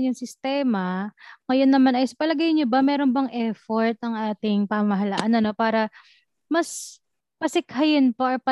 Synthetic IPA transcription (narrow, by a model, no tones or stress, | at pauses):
njʊŋsɪst̪ɛːmɐŋɐjo̞nːɐmanɐjsɐpɐlɐɡɐjɲobɐmɛːɾo̞nbɐŋʔɛfoɹt̪̚ɐŋʔaːt̪ɪŋpaːɐmɐɦɐlaʔanɐno̞paːɾɐ | mɐs | pɐsɪkhɐjɪnpɐʔopɐ